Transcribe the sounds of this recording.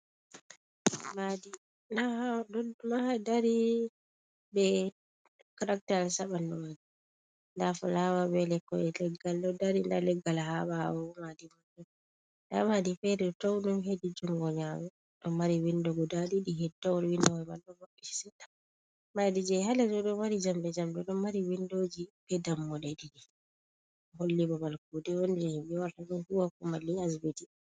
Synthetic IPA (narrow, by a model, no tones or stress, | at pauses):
madi | nahadmahadaɾi | bɛ | kɾaktalsaɓandɔmadi | ndafɔlawabɛlɛkːɔɛlɛɡːalɔdaɾindalɛɡːalhabawɔmadimaɔn | nda̰madifɛɾɛdɔtowdumɦedid͡ʒuŋɡɔɲamɛ | ɗɔmːaɾiwindɔɡɔdadidiɦitːawlwindɔwɛmaɗɔmaɓiʃi̥sɛtːḁ | madid͡ʒɛɦalɛd͡ʒɔɗɔwaɾid͡ʒamdɛd͡ʒamdɛɗɔmːaɾiwindoːd͡ʒib̥ɛdamːɔdɛdidi | holːibɔmalkudɛwɔndiɛhiiwaɾtaɗɔnhuwakɔmalːiasbiti